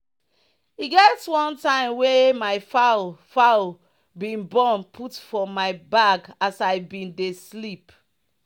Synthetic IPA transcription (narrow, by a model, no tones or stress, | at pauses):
iɡɛtwɔ̃ntãɪ̃mwemaɪfafa | bĩnbɔnpʰutfɔmaɪbaɡasaɪbĩndeslip